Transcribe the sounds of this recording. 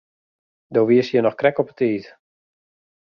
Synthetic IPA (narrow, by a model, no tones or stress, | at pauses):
doːʋiəsjənɔχkrɛkɔpə̥tʰiːt